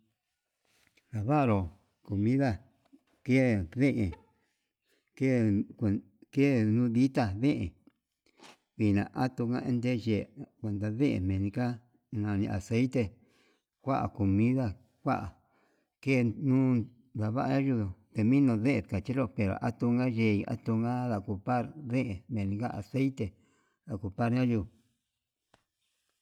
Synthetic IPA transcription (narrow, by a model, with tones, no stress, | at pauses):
ða˨βa˦˧ɾo˨ | ko˨mĩ˦ða˦ | ke˦˨βẽ˦ʔẽ˨ | ke˦˨ | ke˦˨nũː˦ði˦t̪a˧βẽ˦ʔẽ˨ | βi˨nã̰˨ʔa˦t̪u˧kã̰˧ʔḛ̃˦nd̪e˦ʒe˨kʷe˨nd̪a˧βẽ˦ʔḛ̃˧mẽ˨nĩ˧ka˦ | nã˧nĩ˧ʔa˨se˦it̪e˧ | kʷa˦ʔa̰˨ku˨mĩ˦ða˧ | kʷa˦ʔa˨ | ke˦˨nũː˦ | d̪a˨βa˦ʔa˧ɲã˦ʒu˧ðo˨t̪e˧mĩ˦nõ˧ðe˦ʔe˧ka˨t͡ʃi˦lo˦pe˨ɾo̰˨ʔa˦t̪u˧ŋɡa˦ʒe˧˨i˧a̰˦t̪u˧ŋɡa˦ða˧˨ku˧pa˦ɾðẽ˦ʔe˨mẽ˨nĩ˧ka˦ʔa˨se˦jt̪e˧ | ða˨ku˧pa˦ɾɲã˦ʒu˧˨